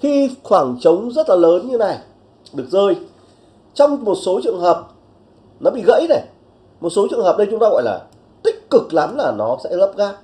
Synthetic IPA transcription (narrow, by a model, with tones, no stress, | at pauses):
xi˧xwaː˧˩ŋt͡ɕə˨˦wŋ͡mzə˦˥t̚laː˨˩ləː˨˦nɲɨ˧˦˧na˨˩j | ɗɨ˨˩ək̚zəː˧j | t͡ɕɔ˧wŋ͡mmo˨˩t̚so˨˦t͡ɕɨ̰˧˨əŋɦəː˨˩p̚ | nɔ˨˦ɓḭ˧˨ɣə̰˧˥jna˨˩j | mo˨˩t̚so˨˦t͡ɕɨ˨˧˨əŋɦəː˨˩p̚ɗə˧jt͡ɕʊ˨˦ŋ͡mt̪aː˧ɣɔ̰˧˨jla̰ː˨˩ | t̪ï˦˥k̟̚kɨ˨˩k̚la˨˦mlaː˨˩nɔ˨˦sɛ̰˧˥lə˦˥p̚ɣaː˦˥